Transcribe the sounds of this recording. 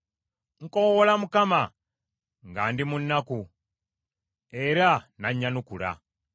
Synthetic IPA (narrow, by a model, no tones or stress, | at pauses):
ŋ̩kowolamukama | ŋɡaːndimunːaku | e̞ɾanaɲːanukula̰